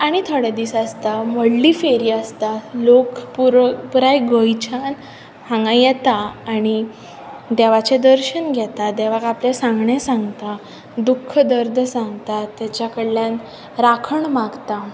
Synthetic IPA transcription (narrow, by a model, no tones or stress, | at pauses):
aɽ̃it̪ʰəɽɛd̪iːsast̪aməɽliːfeɾiəst̪alokpuɾpuɾajɡəjt͡ɕʰan | hãŋɡãjɛt̪aːɽ̃i | d̪ɛʋat͡ɕed̪əɾɕənɡʱjɛt̪ad̪ɛʋakaplesãŋɡɳesãŋɡt̪a | d̪ukʰːəd̪əɾd̪ʱsãŋɡt̪at̪ːjat͡ɕakəɽlːjãn | ɾakʰəɳmaɡt̪a